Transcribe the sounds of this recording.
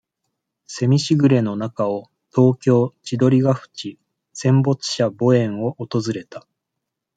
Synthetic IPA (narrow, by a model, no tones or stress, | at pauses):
se̞mʲiɕiɡɯ̟ɾe̞no̞nakao̞ | t̪o̞ːkʲo̞ːt͡ɕid̪o̞ɾʲiɡaɸɯ̟̥t͡ɕi | sẽ̞mbo̞t͡sɨ̥ɕabo̞ẽ̞ɰ̃o̞ʔot̪o̞zɨɾe̞t̪a